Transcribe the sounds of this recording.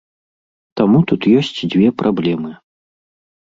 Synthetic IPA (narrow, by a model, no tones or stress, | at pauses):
t̪amut̪ut̪jɔsʲt͡sʲd͡zʲvʲɛpɾʔablʲɛmɨ